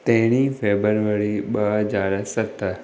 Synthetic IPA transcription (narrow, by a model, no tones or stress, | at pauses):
t̪ɛ̃ɦɽ̃ifeːbəɾʋəɾiɓɐɦəzaːɾsɐt̪ə